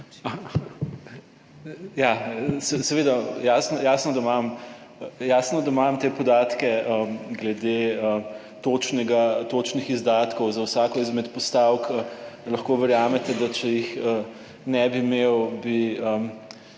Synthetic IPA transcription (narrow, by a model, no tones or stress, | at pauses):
jasɛsɛʋed̪ajaːsnɔjaːsnɔd̪amam | jasnɔd̪amamt̪eːpɔd̪aːt̪kɛəɡlɛd̪eə | t̪ot͡ʃnɛɡat̪ot͡ʃnixizd̪aːt̪kɔwzawsaːkɔizmɛt̪pɔst̪awklɐxkoʋɛɾjaːmɛt̪ɛd̪at͡ʃɛjixə | nɛbimewbiə